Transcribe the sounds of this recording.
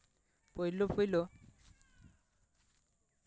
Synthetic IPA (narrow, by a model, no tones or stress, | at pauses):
pojlopojlo